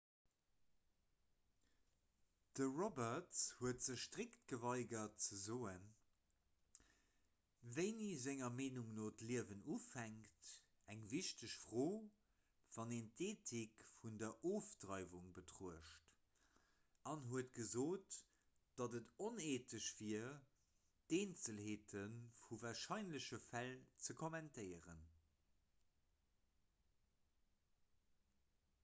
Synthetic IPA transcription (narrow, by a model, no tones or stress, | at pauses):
d̥əʁɔbɐtshuətz̥əʃʃtʁikt̚ɡ̥əvɑɪɡɐt̚t͡səzoːən | vəɪniːzæŋɐmeːnuŋnoːtliəvənufæŋkt | æŋviʃtəʃfʁoː | v̥ɑneːntʰeːtʰikfundɐʔoːfdʁɑɪvuŋbətʁoəʃt | ʔɑnɦuətɡ̥əzoːt | d̥ɑtətoneːtʰəɕv̥iɐ | d̥eːnt͡səlheːtʰənfuvaːɐʃɑɪnləɕəfælt͡səkʰomæntʰəɪəʁən